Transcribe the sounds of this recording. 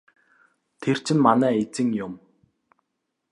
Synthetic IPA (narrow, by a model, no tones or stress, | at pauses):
t̪ʰer̥t͡ɕʰɪ̆nmanæːet͡sɘ̆ŋjʊm